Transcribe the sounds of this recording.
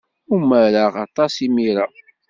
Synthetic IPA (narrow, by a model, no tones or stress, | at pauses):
uməɾaʁɑ̰t̪ˤɑsimiɾa